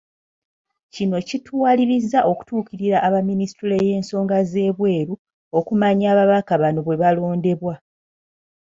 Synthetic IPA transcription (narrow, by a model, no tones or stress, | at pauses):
cino̞citwaːliɾizːaʔo̞ku̥tuːciɾiɾaʔːβaministuleje̞ːnso̞ːŋɡaze̞ːβwe̞ːɾu | okumaɲaːβaβakaβano̞βwe̞βalo̞ːnde̞βwa